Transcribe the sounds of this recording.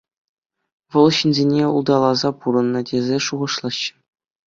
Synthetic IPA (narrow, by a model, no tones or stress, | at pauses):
ʋɤ̆lˠɕinʲzʲenʲeṵlˠd̪ɑlˠɑzɑpuɾɤ̆nːɤ̆tʲezʲeʂuʁɤ̆ʂlˠɑɕːɘ̥̆